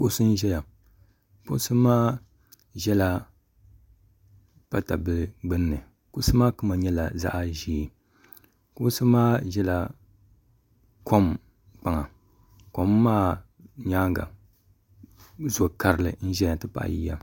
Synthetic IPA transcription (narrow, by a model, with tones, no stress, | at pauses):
kʊ˦ʔsɨ˦n̩˦ʒɛ˦ja˨ | kʊ˦sɨ˦maː˦ | ʒɛ˦la˦ | pa˦ta˨bɨ˦lɡ͡bɨ˦nː˦ɨ˨ | kʊ˦sɨ˦maː˦kɨ˦ma˨ɲɛ˦la̰˨za̰˦ʔa˦ʒiː˦˨ | kʊ˦ʔsɨ˦maː˦ʒɛ˦la˨ | kʰo˦m | k͡pa˨ŋa˨ | ko˦mːaː˦ | ɲaː˦ŋɡa̰˨ | zo˨ka˨ɾɨ˨lɨ̰˨n̩˦ʒɛ˦ja˨tɨ˦pa̰˨ʔji˦ja̰˨